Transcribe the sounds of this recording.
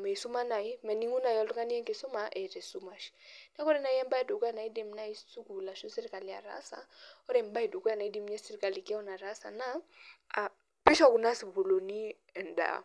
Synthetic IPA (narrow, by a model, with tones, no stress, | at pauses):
mɛ˨i˨su˦ma˦na˨i˦mɛ˨ni˦ŋu˦na˨jɔ˨lʊ˦ka˦ni˦ɛ˦ŋkɪ˨sʊ˦ma˨ʔɛ˨ɾɛ˨su˦ma˨ʃi̥na˦kɔ˦ɾɛ˦na˨i˦ɛ˦m˦ba˦ɛ˦do˨kɔ˦ja˨na˨i˦dɛ˨m̩˦na˦i˦st͡su˦ku˨la˨ʃo˦sɛ˦ɾi˨ka˨li˨ja̰˨ɾa̰˦sa̰˨ɔ˦ɾɛm˦ba˦i˨do˨kɔ˦ja˨na˨i˦di˦m˦ɲɛ˦sɛ˦ɾi˨ka˨li˨kɛ˦ɔ˦na˨ɾa˦sa̰˨na˦a˨ | pɛ˦ʃa˦˨ku˨na˦si˨bu˨lo˨ni˦ | ɛ˨nda̰˨